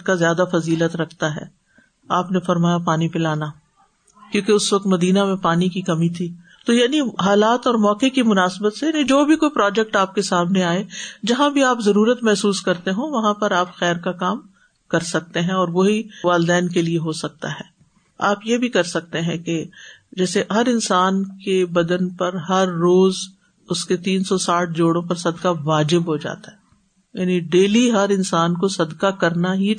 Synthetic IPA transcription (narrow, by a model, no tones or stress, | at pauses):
kazjaːd̪afɐziːlət̪ɾɐkʰt̪aɦɛ̰ː | aːpnefɐɾmaːjapaːnipɪlaːna | kjõːkeʊsʋɐk̚t̪mɐd̪iːnamẽpaːnikikɐmit̪ʰiː | t̪ojaːniɦaːlaːt̪ɔːɾmɔːkekimʊnaːsbət̪sejaːnĩd͡ʒoːbʱikoːipɾɔːd͡ʒɛk̚ʈaːp̚kesaːmneaːed͡ʒɐɦãbʱiaːpzɐɾuːɾət̪mɛɦsuːskɐɾt̪eɦõʋɐɦãpɐɾaːpxɛːɾkakaːm | kɐɾsɐk̚t̪eɦɛ̃ɔːɾʋoɦiʋaːld̪ɛːnkelieɦosɐk̚t̪a̰ɦɛː | aːpjebʱikɐɾsɐk̚t̪eɦɛ̃ked͡ʒɛːseɦɐɾɪnsaːnkebɐd̪ənpɐɾɦɐɾːoːz | ʊsket̪iːnsɔsaːʈʰd͡ʒoːɽõpɐɾsɐd̪kaʋaːd͡ʒɪbɦod͡ʒa̰ːt̪aɦɛ | jaːniɖeːliɦɐɾɪnsaːnkosɐd̪kakɐɾnaɦi